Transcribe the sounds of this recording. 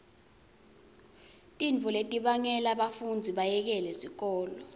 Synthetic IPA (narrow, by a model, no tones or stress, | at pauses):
tʼiɱvʱuletʼiɓaŋɛlaɓafund͡zʱiɓajɛk̬ɛlɛsik̬ɔːlɔ